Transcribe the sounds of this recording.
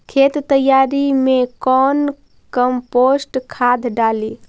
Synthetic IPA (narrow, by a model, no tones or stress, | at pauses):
kʰet̪t̪əjaɾimekɔːn | kəmposʈkʰad̪ʱɖali